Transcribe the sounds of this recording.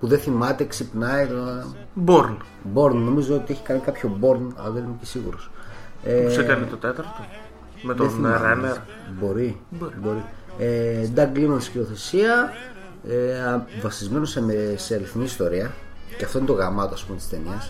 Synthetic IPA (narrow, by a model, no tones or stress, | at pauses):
puðeθimɐt̪eksipnɐjl | boɾn | bo̞ɾnːo̞mizo̞ot̪ie̞çi̥kɐnikɐpço̞bo̞ɾnɐ̰lðeninecesiɣṵɾosesekɐnit̪ot̪et̪ɐɾt̪o | met̪oeimaɾemeɾɐ | bo̞ɾibo̞ɾied̪ɐɡlimɐnsciɾoθe̞siɐ | evɐsizme̞nosemeseɐliθniːst̪o̞ɾiɐ | ceɐft̪oinet̪o̞ɣɾɐmɐt̪oɐspumet̪i̥st̪e̞niɐs